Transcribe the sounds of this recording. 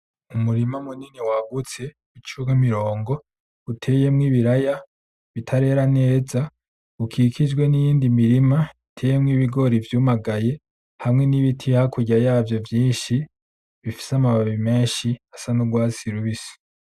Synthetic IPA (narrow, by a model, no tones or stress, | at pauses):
umuɾimamuniniwaɡut͡se̞ | ut͡ʃuɡamiɾo̞ːŋɡo̞ | utʰe̞ːje̞mŋiːβiɾaja | βitʰaɾe̞ːɾane̞ːza | ukʰikʰid͡ʒɡwe̞nijiːndimiɾimaitʰe̞je̞mŋiːβiɡo̞ɾivjuːmaɡaje̞ | hamŋe̞niβitʰihakuɟajaːvjo̞vjiːnʃi | βifi̥samaβaβime̞ːnʃiasanuɡwaːsiɾuβisi̥